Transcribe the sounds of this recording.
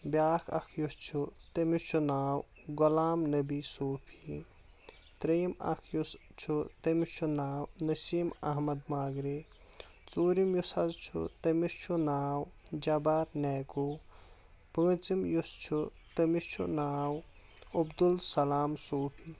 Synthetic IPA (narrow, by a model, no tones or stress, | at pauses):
bjaːkʰɐ̰kʰjust͡ʃʰut̪ɐmist͡ʃʰunaːw | ɡulaːmnɐbisoːpʰi | t̪ɾemɐ̰kʰjust͡ʃʰut̪ɐmit͡ʃʰunaːwnɐsiːmɐɦmɐd̪maːɡɾe | t͡suːɾimjusɐzt͡ʃʰṵt̪ɐmist͡ʃʰunaːwd͡ʒɐbaːɾnɛːku | pɐ̃ːt͡simjust͡ʃʰu | t̪ɐmist͡ʃʰṵnaːw | ɐbd̪ulsɐlaːmsoːpʰi